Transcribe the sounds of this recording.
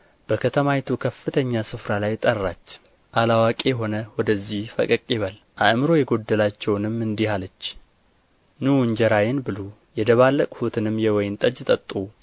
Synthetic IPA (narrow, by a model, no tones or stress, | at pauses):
b̥əkʰət̪ʰəmajt̪ʰukʰəfːɨt̪ʰəɲːasɨfɾalajt̪ʼərːat͡ʃː | ʔalawakʼejɦo̞nəwɔd̪əzːihfə̰kʼəkʼːiβəl | ʔaʔmɨɾo̞jɛɡo̞d̪ːəlat͡ʃːɛwnɨmːɨnd̪ihalət͡ʃː | nɨwɨɲd͡ʒɛɾajɪnbɨlo | jɛd̪əβalːəkʼhut̪ʰɨnɨmːjɛwɔjɪnt̪ʼəd͡ʒt̪ʼət̪ʼːu